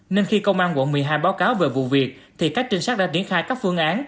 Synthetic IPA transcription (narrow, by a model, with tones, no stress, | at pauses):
ne˧nxi˧kə˧wŋ͡mʔaː˧nkwa̰˧˨nmɨ˨˩əjɦaː˧jɓaː˨˦wkaː˨˦wve˨˩vṵ˧˨vi˨˩ək̚t̪ʰi˨˩kaː˦˥k̚t͡ɕï˧ŋsa˦˥t̚ɗa̰ː˧˥zi˧˩ənxaː˧jkaː˦˥k̚fɨ˧əŋʔaː˨˦n